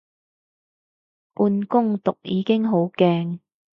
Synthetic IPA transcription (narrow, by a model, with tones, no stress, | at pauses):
puː˧nkʊ˥ŋt̪ʊ˨k̚jiː˨˧˥kɪ˥ŋɦo˨˥wkɛː˧ŋ